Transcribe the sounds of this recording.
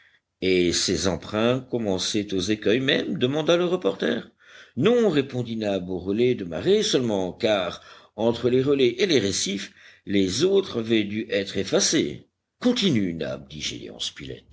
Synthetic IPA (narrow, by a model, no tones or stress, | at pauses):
esezɑ̃pχɛ̃kɔmɑ̃sɛt̪ozekœjmɛmd̪əmɑ̃d̪aləʁəpɔʁt̪ɛ̰ːʁ | nɔ̃ʁepɔ̃d̪inaboʁəlɛd̪əma̰ʁesəlmɑ̃kaʁɑ̃t̪χəleʁəlɛʔeleʁesif | lezot̪χavɛd̪yʔɛt̪χefasḛ | kɔ̃t̪inyna̰b̚d̪iʒḭlḛɑ̰̃spilɛ̰t̪̚